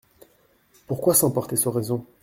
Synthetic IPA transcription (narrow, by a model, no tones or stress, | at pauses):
puʁkwasɑ̃pɔʁt̪esɔʁɛzɔ̃